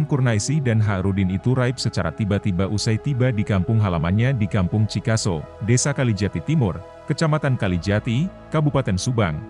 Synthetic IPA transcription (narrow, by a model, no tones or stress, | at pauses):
nkurnaisidanɦaɾudɪnit̪uɾaɪp̚sət͡ʃa̰ɾa̰t̪ibat̪ibaʔusajt̪ibadikampʊŋɦalamanɲadikampʊŋt͡ʃikasodesakalid͡ʒat̪it̪imʊr | kət͡ʃamat̪ankalid͡ʒat̪i | kabupat̪ɛnsubaŋ